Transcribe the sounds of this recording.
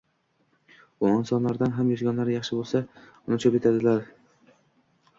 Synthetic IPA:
ʊɒnsɒnlaɾd̪anɦamjɒzɡʲanlaɾɪjɑχʃɪbolˠsa | ʊnɪt͡ʃʰope̞t̪ʰad̪ɪlaɾ

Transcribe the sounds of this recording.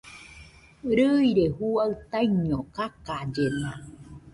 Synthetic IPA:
ɾɯiɾehuaɨt̪aiɲokakad͡ʒena

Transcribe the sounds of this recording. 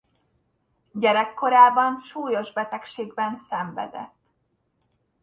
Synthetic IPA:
ɟɛɾɛkːo̞ɾaːbɒnʃuːjo̞ʒbɛt̪ɛkʃeːɡbɛnsɛɱvɛ̰d̪ɛ̰t̪ː

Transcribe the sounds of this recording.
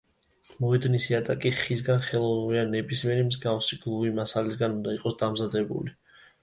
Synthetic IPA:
mɔɛd̪nisiat̪ʼakʼiχis̬ɡanχɛlˠɔvnuɾianɛbʼismɛɾimzɡafsiɡlˠuvimasalisɡanund̪aiqʼɔsd̪amzad̪ɛbṵli

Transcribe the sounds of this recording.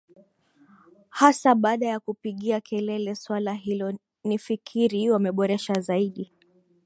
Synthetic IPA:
hasaɓaːɗajakupiɠiakʰɛlɛlɛswalaɦilɔ | nifikʰiɾiwamɛɓɔɾɛʃazaiɗi

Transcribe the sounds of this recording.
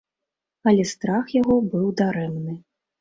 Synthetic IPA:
ɐlʲɛst̪ɾaxjaɣɔbɨwd̪aɾɛmnɨ

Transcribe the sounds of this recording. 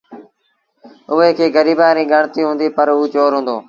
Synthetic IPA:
ʊɦeːkʰeːɡəɾiːbãːɾĩːɡʱəɳt̪iːɦʊ̃ːnd̪iːpəɾuːt͡ʃoːɾɦʊ̃ːnd̪oː

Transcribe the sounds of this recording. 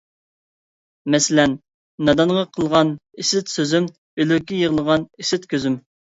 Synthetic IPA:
mɛsɪlɛnː | ɑd̪ɑnʁɑqʰəlˠʁɑnisɪt̪søzym | ølykʲːijəʁəlˠəʁɑnisɪt̪kʲʰøzym

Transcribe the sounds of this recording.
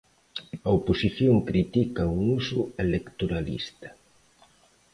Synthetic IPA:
ɐoposiθjoŋkɾit̪ikɐuŋusuelekt̪oɾalḭst̪ɐ̥

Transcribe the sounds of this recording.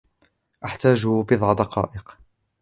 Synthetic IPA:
ʔaħt̪aːd͡ʒʊbɨðˤʕd̪ɑqɑ̰ːʔɪq

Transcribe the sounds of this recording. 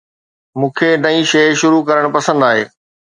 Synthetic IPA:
mũːkʰenɐĩʃeːʃʊɾukɐɾəɽ̃pɐsə̃nd̪aːɦeː

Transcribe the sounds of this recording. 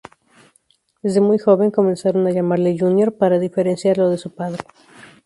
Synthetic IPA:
d̪e̞zðe̞mujxo̞βe̞ŋko̞mẽ̞nsaɾo̞naʝamaɾleʝunjo̞ɾpaɾaðife̞ɾe̞nsjaɾlo̞ðe̞supaðɾe

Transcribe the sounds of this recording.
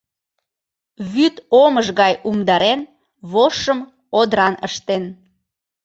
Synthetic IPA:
βyt̪oməʒɣɑjumd̪ɑɾen | βoʃəm | od̪ɾɑnə̰ʃt̪en

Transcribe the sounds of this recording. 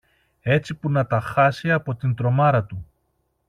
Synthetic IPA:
e̞t͡sipunɐt̪ɐxɐsiɐpo̞t̪int̪ɾo̞mɐɾɐt̪u

